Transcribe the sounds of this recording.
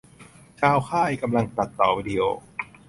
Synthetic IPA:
t͡ɕʰaː˧wkʰaː˥˩ʔa˧jka˧mla˧ŋt̪a˨˩t̪ːɔː˨˩wiː˧˩di˧ʔoː˧

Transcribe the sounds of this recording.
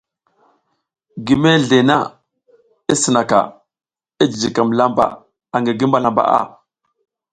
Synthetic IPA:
ɡi˨me˦ɮe˨na̰˦ | i˦sə˨na˨ka̰˨ | i˦d͡ʒi˨d͡ʒi˨ka˨mla˦mba̰˨ | a˨ŋɡi˨ɡi˦mba˦la˨mba̰˨ʔa̰˦˨

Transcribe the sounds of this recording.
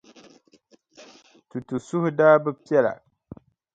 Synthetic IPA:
tu˨tu˨sʊ˦hʊ˦daː˦bɛ˦pɛ˦la̰˨

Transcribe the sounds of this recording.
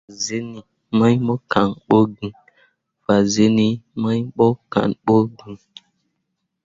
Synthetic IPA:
a˨ze˦ni˨ | ma˦ɲɓɔ˦ka˨ŋɓo˦ɡĩ˨ | fa˨ze˦ni˦ma˦ɲɓɔ˦ka̰˨nɓo˦ɡĩ˨

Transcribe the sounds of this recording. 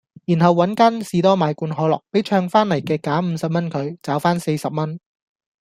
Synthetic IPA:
ji˨˩nɦɐ˨wːɐ˨˥nkaː˥nsiː˨˧t̪ɔː˥maː˨˧jkuː˧nɦɔː˨˥lɔ̰ː˨k̚pe˨˥jt͡ʃʰœː˧ŋfaː˥nlɐ˨˩jkɛː˧kaː˨˥m̩ː˨˧sɐ˨p̚mɐ˥nkʰɵ˨˧ɥt͡saː˨˥wfaː˥nse˧jsɐ˨p̚mɐ˥n

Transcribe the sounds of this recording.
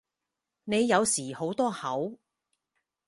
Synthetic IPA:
ne˨˧jːɐ˨˧wsiː˨˩ho˨˥wt̪ɔː˥hɐ˨˥w

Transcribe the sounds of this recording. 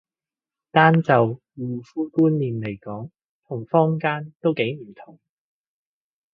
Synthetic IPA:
t̪aː˥nt͡sɐ˨w | wuː˨fuː˥kuː˥nliː˨nle˨˩jkɔː˨˥ŋ | t̪ʰʊ˨˩ŋfɔː˥ŋkaː˥nt̪o˥wke˨˥jm̩˨˩t̪ʰʊ˨˩ŋ

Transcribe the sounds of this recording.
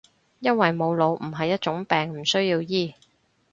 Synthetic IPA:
jɐ˥nwɐ˨jmo˨˧wlo˨˧wm̩˨˩ɦɐ˨jːɐ˥t̚t͡ʃʊ˨˥ŋpɛː˨ŋm̩˨˩sɵ˥ɥjiː˧wjiː˥˩

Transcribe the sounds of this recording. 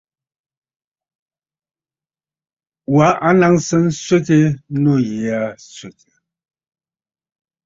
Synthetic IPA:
wa˨˦ʔa˦na˦ŋsə˦n̩˦sɥe˦te˦no˦˨ji˨a˨˦sɥe˨te˨

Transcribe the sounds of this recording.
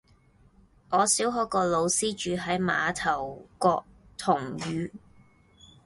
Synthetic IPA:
ŋʔɔː˨˧siː˨˥wɦɔː˨˥kɔː˧lo˨˧wsiː˥t͡ʃyː˨˧ɦɐ˨˥jma̰ː˨˧t̪ʰɐ˨˩wkɔː˧k̚t̪ʰʊ˨˩ŋɥyː˨˧

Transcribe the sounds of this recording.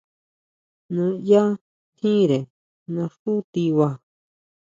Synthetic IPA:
nũ˧ja˦ | t̪ʰĩ˦ɾe˨ | nã˧ʂu˦t̪i˧wa˧

